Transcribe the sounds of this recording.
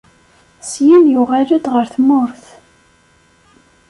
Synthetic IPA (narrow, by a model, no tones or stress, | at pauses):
sjinjʊʁalæd̪ʁəɾθmʊɾθ